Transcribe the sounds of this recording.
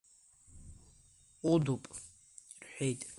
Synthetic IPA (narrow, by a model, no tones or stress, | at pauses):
qʼʊd̪upʼ | rħʷᶣejtʼ